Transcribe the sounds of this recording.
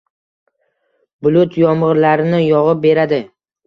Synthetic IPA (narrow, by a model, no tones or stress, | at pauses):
bʊlʊt̪ʰjɒmɨɾlaɾɪnɪjɒʁɨp̚be̞ɾad̪ɪ